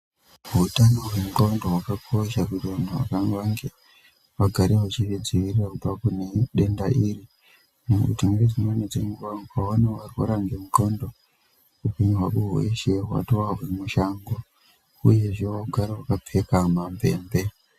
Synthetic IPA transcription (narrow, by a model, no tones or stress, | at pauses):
utano̞wemuto̞ndoɦwakakʰo̞ʃakutiʋanʰuwa̰kaŋwaŋɡe | ʋaɡʱaɾewat͡ʃired͡ziʋirirakub͡vakune̞ɗe̞ndaʔiːɾi | nekṵtimered͡zinoned͡zeŋɡuʋakawaneʋariko̰ɾaŋɡemuto̞ndo̞ | upeɲiɦwakuɦwḛʃeɦwa̰toaɦwemuʃaːŋɡo | uje̞ʐeaɡʱaɾewakap͡fe̞kamampe̞ːmbe̞